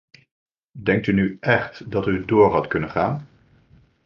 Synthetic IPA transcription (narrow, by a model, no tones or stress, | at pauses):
dɛŋk̚tynyʔɛχtdɑtydʊːɹɦɑtkɵnənχaːn